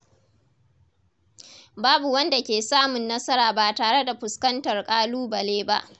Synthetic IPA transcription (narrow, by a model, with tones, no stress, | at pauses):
baː˦bu˨wɐ˦nda˨kʲeː˨saː˦mʊ˨nːɐ˦sɐ˦ɾaː˨baː˨taː˨ɽe˦da˨ɸʊ˨skɐ˦ntɐ˨rkʼaː˦luː˦bɐ˨leː˦ba˦ʔ